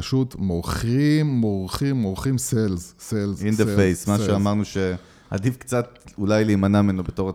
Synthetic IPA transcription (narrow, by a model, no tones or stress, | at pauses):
aʃutmoʁχimːoʁχimːoʁχimselzselzind̪efejsmaʃeamaʁnuʃe̞ | ha̰difkt͡sat̪̚ulajliːmanamenubetoʁ